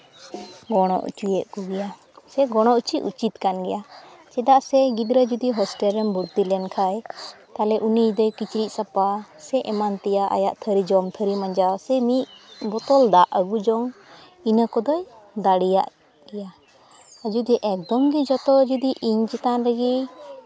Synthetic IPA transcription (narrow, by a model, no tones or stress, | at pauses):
ɡɔɽ̃ɔ̰ʔṵt͡ʃujɛʔ̚kɔɡɛja | sɛɡɔɽ̃ɔʔut͡ʃiṵt͡ʃit̪kanɡɛjat͡ʃɛd̪aʔsɛɡid̪ɾəd͡ʒud̪iɦɔsʈɛlɾɛmbuɾt̪ilɛnkʰajt̪alɛʔunid̪ɔjkit͡ʃɾiʔ̚ˀsapasɛʔɛmant̪ɛjaʔa̰jaʔt̪ʰəɾid͡ʒɔmt̪ʰəɾimaɲd͡ʒasɛmiʔbɔt̪ɔld̪aʔəɡud͡ʒɔŋ | inəkɔd̪ɔj | d̪aɽija̰ʔ | ɡ̥ɛja | əd͡ʒud̪ɛʔɛk̚d̪ɔmɡid͡ʒɔt̪ɔd͡ʒud̪iʔiɲt͡ʃit̪anɾəɡi